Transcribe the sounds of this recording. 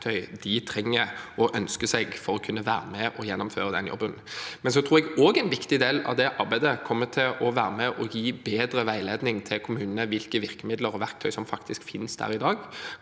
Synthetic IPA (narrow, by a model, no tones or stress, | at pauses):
t̪ʰœʏd̪ɪt̪ʰɾɛŋːəɔʔœnskəsɛɡfɔɾɔkʰʉnːəʋæːɾəmɛʔɔjɛnːʊmføːʁəd̪ɛnjɔ̰bːənmɛns̬ɔt̪ʰɾuːʁɛɡoːɡɛɪnʋɪkt̪ɪd̪eːlɑ̰ʋd̪ɛʔɑɾbæɪd̪əkʰɔmːət̪ʰɪlʔɔʋæːʁəmɛʔɔjiːbeːd̪ɾəʋæɪleːd̪nɪŋt̪ʰɪlkʰʊmʉːnənəʋɪlkəʋɪʁkəmɪd̪ləɾɔʋæʁk̚t̪ʰœʏsɔmfɑkt̪ɪskfɪnsd̪æ̰ːɾɪd̪ɑːɡ